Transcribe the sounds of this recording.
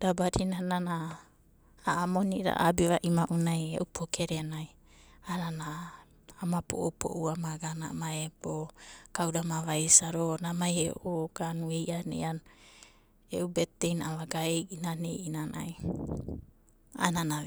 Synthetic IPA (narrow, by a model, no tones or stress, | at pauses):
dabaɾinanana | aamoniʔɾa̰abiβaʔimaʔunajeʔupʰokʰeɾenaj | ananaː | mapo̰ʔopo̰ʔuamaɡana̰maebokawdamaβajsaɾonamajeoʔoɡ̥anuejʔanḛjan | ḛʔubetejnaaβaɡaejʔinanejʔinana̰j | a̰nana